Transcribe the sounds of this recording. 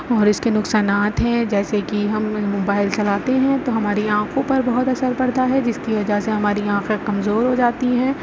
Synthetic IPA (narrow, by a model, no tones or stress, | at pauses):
ɔːɾɪskenʊksaːnaːt̪ɦɛ̃d͡ʒɛːsekiɦɐmmoːbaːɪlt͡ʃɐlaːt̪eɦɛ̃t̪oɦɐmaːɾiãːqʰõpɐɾbɐɦʊt̪ɐsəɾbɐɾd̪aɦɛd͡ʒɪskiʋɐd͡ʒaɦseɦɐmaːɾiãːqekɐmzoːɾɦod͡ʒaːt̪iɦɛ̃ː